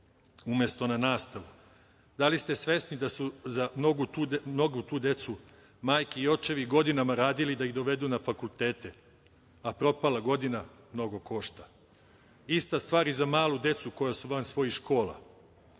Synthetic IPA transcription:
umjest̪o̞nanaːst̪aʋu | d̪alist̪e̞sʋe̞snid̪asuzamnoɡut̪uːmno̞ɡut̪uːd̪e̞t̪su | maːjkiiːo̞t͡ʃe̞ʋiɡo̞d̪inamaɾaːd̪ilid̪aiɣd̪o̞ʋe̞d̪unafakult̪e̞ːt̪e | apɾo̞palaɡo̞d̪ina | mno̞ɡo̞ko̞ʃt̪a | ist̪ast̪ʋaːɾizamaːlˠud̪e̞t̪suko̞jasuʋansʋo̞jiʃko̞ːlˠa̰

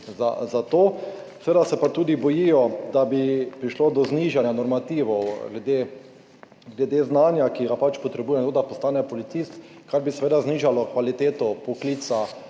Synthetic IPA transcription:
za̰zat̪oː | seʋeːd̪asɛpat̪uːd̪ibɔjijɔd̪abipɾiʃloːd̪ɔzniʒanjanɔɾmat̪iːʋɔwɡlɛd̪e | ɡlɛd̪eznanjakiɡapat͡ʃpɔt̪ɾɛbujɛt̪od̪apɔst̪aːnɛpɔlit̪siːst̪kaɾbisɛʋeːd̪azniːʒalɔkʋalit̪eːt̪ɔpɔkliːt̪sa

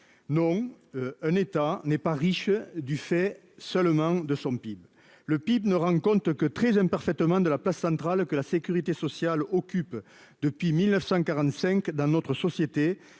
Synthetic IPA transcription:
nɔ̃ | ɛ̃net̪anɛpaʁiʃəd̪yfɛ | sœlmɑ̃d̪əsɔ̃pib | ləpibnəʁɑ̃kɔ̃t̪əkət̪χɛzɛ̃mpaʁfɛt̪əmɑ̃d̪əlaplasːɑ̃t̪χalkəlasekʲyʁit̪esɔsjalɔkʲyp | d̪̥əpɥimilnəfsɑ̃kaʁɑ̃nt̪sɛ̃ŋkd̪ɑ̃nɔt̪χəsɔsjet̪e

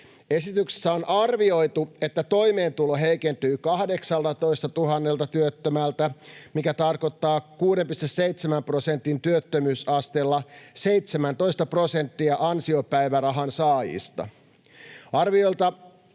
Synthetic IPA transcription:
e̞sit̪ykse̥sːæonʔɑrʋio̞jt̪ue̞t̪ːæt̪o̞jme̞ːnt̪uloɦe̞jkent̪yːkɑhde̞ksɑlt̪ɑt̪o̞ist̪ɑt̪uɦɑnːe̞lt̪ɑt̪yøt̪ːømælt̪æmikæt̪ɑrko̞t̪ːɑːkuːdempist̪esse̞it̪semæmpro̞se̞nt̪int̪yøt̪ːømyːsɑst̪elːɑse̞jt̪semænt̪o̞ist̪ɑpro̞se̞nt̪ːiɑʔɑnsiopæjʋærɑɦɑnsɑːjḭst̪ɑ̰ | ɑrʋio̞jlt̪ɑ

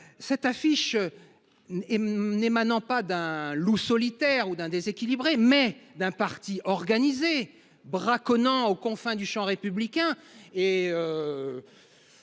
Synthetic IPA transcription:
sɛt̪afiʃ | nemanɑ̃pad̪ɛ̃lusɔlit̪ɛʁud̪ɛ̃d̪ezekʲilibʁemɛd̪ɛ̃paʁt̪iʔɔʁɡanize | bʁakɔnɑ̃okɔ̃fɛ̃d̪yʃɑ̃ʁepyblikʲɛ̃eø

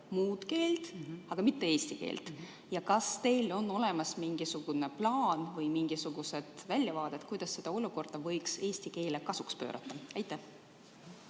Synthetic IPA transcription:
muːd̪̥ke̞ːlt̪ɑɡ̥ɑmit̪ːe̞e̞ːsʲt̪ikḛːlt̪ | jɑkɑst̪e̞jlo̞nːo̞le̞mɑsmiŋɡ̥isuɡ̥une̞plɑːnvɤjmiŋɡ̥isuɡ̥use̞d̪̥vælʲːjɑvɑːd̪̥et̪kujd̪̥ɑsːe̞d̪̥ɑo̞luko̞rd̪̥ɑvɤjkse̞ːsʲt̪ike̞ːlekɑsukspø̞̰ːɾʔɑ̰t̪ːˑɑɑjt̪ˑːæh

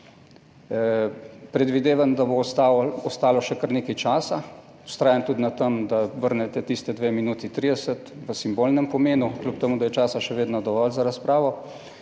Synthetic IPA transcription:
pɾɛd̪ʋid̪eːʋand̪abot̪aɔst̪aːlɔʃɛkəɾneːkajt͡ʃaːsa | u̥st̪ɾaːjant̪ud̪nat̪əmd̪aʋəɾnɛt̪ɛt̪ist̪ɛd̪ʋeːminuːt̪it̪ɾiːd̪ɛsət̪ | ʋəsimboːlnɛmpɔmeːnuklʲup̚t̪ɛmuːd̪ajɛt͡ʃaːsaʃɛʋeːd̪nɔd̪ɔʋɔːlzaɾaspɾaːʋɔ

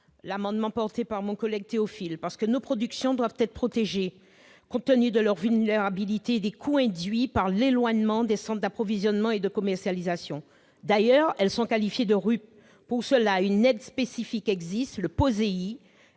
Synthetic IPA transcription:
lamɑ̃d̪mɑ̃pɔʁt̪epaʁmɔ̃kɔlɛɡ̚t̪eɔfilpaʁsə̥kənopχɔd̪yksjɔ̃d̪wavt̪ɛt̪χpχɔt̪eʒe | kɔ̃t̪ənyd̪əlœʁvylneʁabilit̪ed̪ekʰuɛ̃d̪ɥipaʁlelwaɲmɑ̃d̪esɑ̃t̪̚d̪apχɔvizjɔnmɑ̃ed̪əkɔmɛʁsjalizasjɔ̃ | d̪ajœʁɛlsɔ̃kalifjed̪əʁyp̚ | puʁsəlaynɛd̪spesifikɛɡzist̪ləpozei

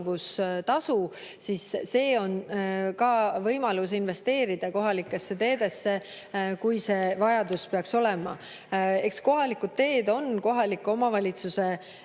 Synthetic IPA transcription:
vust̪ɑsu | sisːe̞ːo̞nkɑvɤjmɑlusinve̞st̪e̞ːɾid̪̥ɑko̞ɦɑlikːˑe̞sːe̞t̪e̞ːd̪̥e̞sːe̞ | kujse̞vɑjɑd̪uspeɑkso̞lɛmɑ | e̞ksko̞ɦɑlikud̪̚t̪e̞ːd̪o̞nko̞ɦɑlikːuo̞mɑvɑlʲit̪suse̞

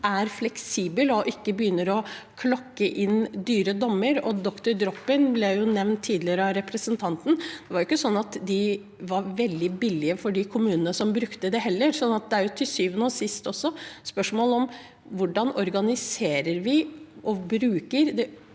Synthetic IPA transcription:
æɾflɛksiːbəlɔʔɪkːəbəjʏnːəɾɔ | kʰlɔkːəʔɪnd̪yːɾəd̪ɔmːəɾɔd̪ɔkt̪ʊɾd̪ɾɔpːɪnblɛjʊnɛʋnt̪ʰːiːd̪lɪəɾəɑɾɛpɾəsənt̪ʰɑnt̪n̩d̪̥ɛʋɑɾjɪkːəsɔnːɑt̪d̪ɪ | ʋɑɾʋɛld̪ɪbɪlːɪəfɔɖɪkʰʊmʉːnənəsɔmbɾʉkt̪əd̪ɛhɛlːəɾsɔnːɑt̪̚d̪ɛæɾjʊt̪ʰɪsyːʋənɔːsɪst̪ɔsːɔspœʂmoːlɔm | ʋʊɖɑnɔɾɡɑnɪseːɾəɾʋɪʔɔbɾʉːkəɾd̪ɛ

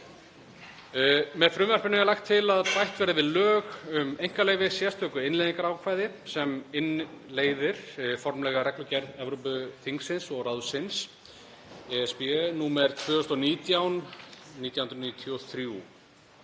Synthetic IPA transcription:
mɛðfɾʏːmvɛɾ̥pɪnɪalajxt̪ʰːɪlaðpajht̪vɛːɾavɪðlœːɣʏmejŋ̥kaleːjvɪsjɛst̪œːkʏɪnlejðiŋkaɾaːwkʰvajðɪ | sɛmɪnleːjðɪɾ̥fɔɾmlɛːɣaɾɛklʏcɛɾðɛvɾowpʏθiŋksɪnsɔɣɾaðsɪns | ɛɛspiɛnuːmɛɾ̥t̪ʰvʏːðʏst̪ɔniːt̪jawnniːt̪jawhʏnɾniːt̪ʰjɔθɾju

